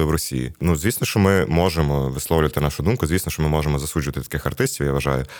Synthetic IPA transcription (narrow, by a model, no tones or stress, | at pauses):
ɪwɾɔsʲḭjḭnuzʋʲisnɔʃt͡ʃɔmɪmɔʒemɔʋɪslˠɔwlʲʊʋɐt̪ɪnɑʃʊd̪umkʊzʋʲisnɔʃt͡ʃɔmɪmɔʒemɔzɐsud͡ʒʊʋɐt̪ɪt̪ɐ̥kɪxɐrt̪ɪsʲtʲiwjaʋɐʒɑ̰jʊ